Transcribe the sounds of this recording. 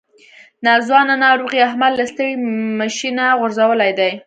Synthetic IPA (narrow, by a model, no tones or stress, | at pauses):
nɑzwɑnanɑɾoɣiaɦmad̪last̪əɽimaʃinaɣʊɾzawəlajd̪aj